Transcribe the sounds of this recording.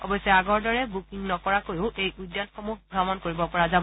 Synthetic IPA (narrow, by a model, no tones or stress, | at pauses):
ɔ̰bɔjsɛaɡɔɹdɔɹɛbukiŋnɔkɔɹakojʊʔejʔudjanxomuxɡʱɹamɔnkoɹibɔpɔɹazabɔ